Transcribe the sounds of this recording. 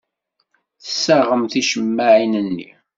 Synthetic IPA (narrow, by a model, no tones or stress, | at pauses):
θəsːaʁəmθiʃəmːaʕinənːḭ